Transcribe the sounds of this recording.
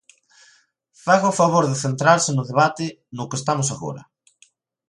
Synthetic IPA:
faɣaʊfaβoɾðɪθent̪ɾaɾsɪnʊðeβ̞at̪ɪ | nʊkest̪amʊs̬aɣo̰ɾɐ̰

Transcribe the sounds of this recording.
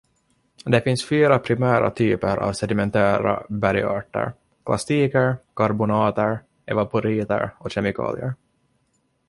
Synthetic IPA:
d̪ɛfɪnsfyːɾapʰɾɪmæːɾa̰t̪ʰyːpəɾʔa̰ːvsɛd̪ɪmɛnt̪ʰæːɾa̰bæɾɪɑːʈə̰ɾ | kʰlast̪iːkəɾkʰaɾbʊnɑːt̪əɾ | ʔɛvapʊɾiːt̪ə̰ɾɔɕɛmɪkʰɑ̰ːlɪəɾ

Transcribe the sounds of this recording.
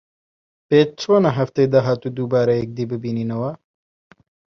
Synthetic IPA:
peːt͡ʃt͡sʰoːnɐɦɐft̪ed̪ɐɦaːt̪uːd̪uːbaːɾɐjek̚d̪iːbɨbiːniːnɐwɐ

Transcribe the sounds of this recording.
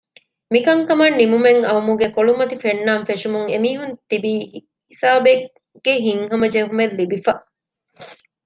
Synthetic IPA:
mikɐŋkɐmɐnːimumeŋɐumuɡekoɭumɐt̪ifenːaːnfeʃumuŋemiːɦunt̪ibi | hisaːbe | ɡ̥eɦiŋɦɐmɐd͡ʒeɦumellibifɐ

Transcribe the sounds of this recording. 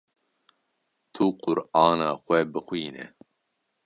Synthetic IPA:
t̪ʰuːqʊɾɑːnaːxʷɛbɨxʷiːnɛ̰

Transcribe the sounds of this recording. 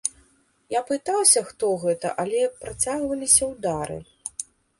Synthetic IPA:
japɨt̪awsʲɐxt̪ɔɣɛt̪ɐ̰ʔalʲɛpɾat͡sʲaɣvɐlʲisʲɐwd̪aɾɨ̰

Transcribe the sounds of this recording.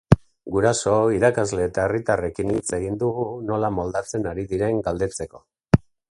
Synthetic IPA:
ɡuɾaso̞iɾakazle̞ːt̪aerit̪are̞kinit͡se̞ɣ̞ind̪uɣuno̞lamo̞ld̪at͡se̞naɾiðiɾe̞ŋɡald̪e̞t͡se̞ko̞

